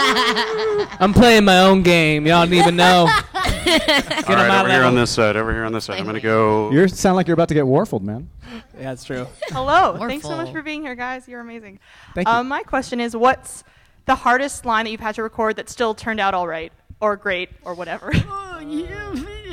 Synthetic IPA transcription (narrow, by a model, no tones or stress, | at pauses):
ãɪ̃mpʰl̥eɪɪ̃ŋmaɪõʊ̃nɡẽɪ̃mjɨan̩ivɨ̃nːoʊ | ɡʌ̃ɾnəmaɾiɹə̃nðɪsɛɾɛvɹḭhiɹ̃nðɪsaɾ̃ɪ̃mɡʌnɨɡoʊjə˞sãʊndzlaɪkjəbaʊtʰɨɡɛt̚wɔɹfl̩ˠd̚mæ̰̃nætstʰɹ̥ʉhɛloʊθæ̃ŋkssoʊmʌt͡ʃfə˞biɪ̃ŋhiɹɡaɪzjə˞ɨmeɪzɪ̃ŋ | θæ̃ŋʌ̃mːaɪkʰw̥ɛst͡ʃɨ̃nɪzwʌts | ðəhɑɹɾɨstˡlãɪ̃nðɨt͡ʃʉv̥ɨd̚tʰɨɹɨkʰɔɹd̪̚ðɨtstɪlˠtʰɜ̃˞ndaʊɾɔlˠɹaɪt̚ə˞ɡɹeɪt̚ə˞wʌɾɛvə˞